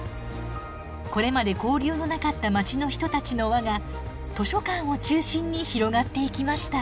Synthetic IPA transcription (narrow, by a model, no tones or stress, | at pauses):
ko̞ɾe̞mad̪e̞ko̞ːɾʲɨːno̞nakat̪ːamat͡ɕino̞çi̥t̪o̞t̪at͡ɕino̞βaɡa | t̪o̞ɕo̞kãɰ̃o̞t͡ɕɨːɕĩɲ̟ːiçiɾo̞ɡat̪ːe̞ikʲimaɕi̥t̪a